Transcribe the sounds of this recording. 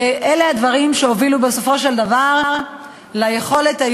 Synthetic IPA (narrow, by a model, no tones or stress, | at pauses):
ʔelehad̪vaʁimʃe̞ovilubeso̞fo̞ʃe̞ld̪avaʁaʁ | laje̞χo̞le̞t̪a